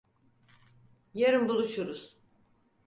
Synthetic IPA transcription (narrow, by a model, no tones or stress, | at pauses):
jeɾimbulˠuʃuɾuz̥